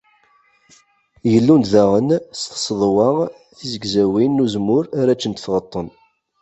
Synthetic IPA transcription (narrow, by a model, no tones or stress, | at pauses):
jəlːunt̪ðæʁənst̪sðˤwɑ | θizəɡzæwinːuzmʊɾaɾæt͡ʃːənt̪θʁət̪ˤːən